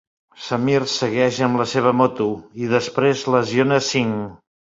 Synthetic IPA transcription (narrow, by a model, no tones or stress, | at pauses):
səmirsəɣɛʃəmləseβ̞əmɔt̪uiðəspɾezləzionəsiŋ